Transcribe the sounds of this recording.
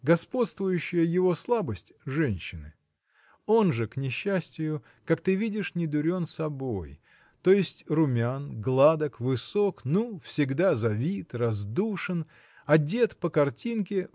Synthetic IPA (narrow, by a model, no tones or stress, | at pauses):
ɡɐspo̞t̪st̪vʊjʉɕːɪjəjɪvo̞slˠabəsʲtʲʐɛnʲɕːɪnɨ̰ | o̞nʐɨknʲɪɕːæsʲtʲɪjʊ | kakt̪ɨvʲidʲɪʂnʲɪd̪ʊɾʲo̞nsɐbo̞j | t̪o̞jɪsʲtʲrʊmʲanɡlˠad̪əkvɨso̞knufsʲɪɡd̪azɐvʲit̪rɐzd̪uʂɨn | ɐdʲe̞t̪pəkɐrtʲinkʲɪ